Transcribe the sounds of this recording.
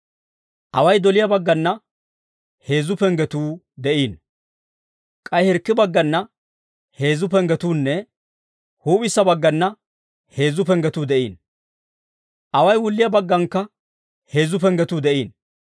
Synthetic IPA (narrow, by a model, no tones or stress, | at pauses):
ʔɐwɐjd̪ɔlɪjɐbɐɡːɐnːɐ | he̞ːzʊpɛŋɡɛt̪uː | d̪ɛʔiːn | kʼɐjhɛɾkːɪbɐɡːɐnːɐ | he̞ːzʊpɛŋɡɛt̪uːnːɛ | huːpɪsːɐbɐɡːɐnːɐ | he̞ːzʊpɛŋɡɛt̪uːd̪ɛʔiːn | ʔɐwɐjwʊlːɪjɐbɐɡːɐŋkːɐ | he̞ːzʊpɛɡɛt̪uːd̪ɛʔiːn